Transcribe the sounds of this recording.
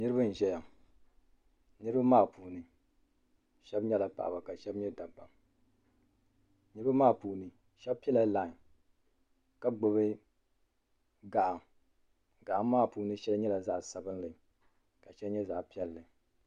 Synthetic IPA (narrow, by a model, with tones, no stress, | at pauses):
nɨ˦ɾɨ˦bɨ˦n̩˨ʒɛ˦ja˨ | nɨ˦ɾɨ˦ba˦maː˦˨pʰuː˨nɨ˨ | ʃɛ˦bɲɛ˦la˨pa̰˨ʔa̰˨ba˨ka˨ʃɛ˦bɲɛ˦da˨ba˨ | nɨ˦ɾɨ˦ba˦maː˦˨puː˨nɨ˨ | ʃɛ˦b̚pi˦ɛ˦la˨˦la˨ | ka˦ɡ͡bo˨bɨ˦ | ɡa˨ʔa˨ | ɡa˨ʔa˨mː˦aː˦˨puː˨nɨ˦ʃɛ˦lɲɛ˦la˨za˨ʔsa˨bɨ˦n˦lɨ˨ | ka˨ʃɛ˦lɲɛ˦za˨ʔpi˦ɛ˦lːɨ˨